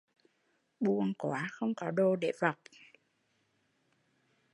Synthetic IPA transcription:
ɓu˧əŋkwaː˨˦xə˧wŋ͡mkɔ˨˦ɗo˧˩ɗḛ˧˩va˨˩wk͡p̚

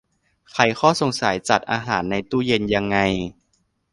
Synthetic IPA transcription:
kʰa˨˧˩jxʰɔː˥˩so˨˩ŋsa˨˩˦jt͡ɕa˨˩t̪̚ʔaː˧ɦaː˩˦nːa˧jt̪uː˥˩je˧nja˧ŋːa˧j

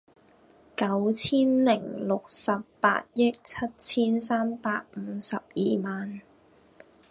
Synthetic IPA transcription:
kɐ˨˥wt͡sʰiː˥nlɪ˨˩ŋlʊ˨k̚sɐ˨pːa̰ː˧˥t̚jɪ˥k̚t͡sʰɐ˥t̚t͡sʰiː˥nsaː˥mpaː˧k̚m̩˨˧sɐ˨p̚jiː˨maː˨n

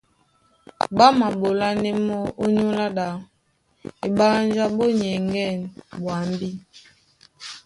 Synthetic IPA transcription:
ba˦ma˨bo˨la˦nɛ˦mɔ˦o˦ɲu˦la˦da˨ | e˨ɓa˦n˦d͡ʒa˦bo˦ɲɛ˨ŋɡɛ˦˨nɓwa˨m˦bi˦

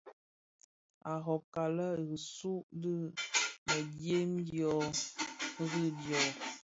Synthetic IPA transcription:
a˨ɦɔ˨ka˨lə˦˨ɣi˨su˦di˦mə˨dje˦mdjɔ˨˦ | ɣi˦djɔ˨

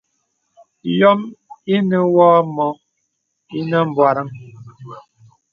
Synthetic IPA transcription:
jɔ˦mi˦nə˦wɔː˦mɔ˨˦ | i˦nə˦m̩˨bwa˨ɾə˦ŋ

